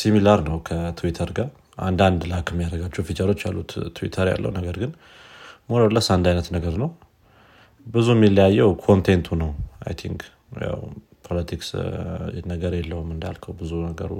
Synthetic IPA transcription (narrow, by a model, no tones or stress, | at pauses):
similaɾnəwkʰət̪ʰuwit̪ʰəɾɡaɾ | ʔa̰nd̪and̪lakɛmːijad̪əɡat͡ʃːɛhfit̪ʰəɾo̞t͡ʃːja̰lːut̪t̪ʰːuwḭt̪ʰəɾja̰lːə̰wnəɡəɾɡɨn | monolːəsand̪ajnət̪nəɡəɾnəw | bɨzuɛmːilːəjajːɛwkʰo̞nt̪ʰent̪ʰunəwa̰jt̪ʰḭŋk | ja̰w | pʰolət̪ʰiks | nəɡəɾjɛlːəhumɨnd̪ja̰lkʰəwbɨzunəɡə̰ɾṵ